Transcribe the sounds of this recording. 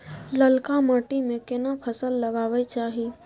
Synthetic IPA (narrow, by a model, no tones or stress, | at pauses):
ləlkamaːʈimẽkɪnapʰəsəlːɐɡaːʋet͡ʃaːɦi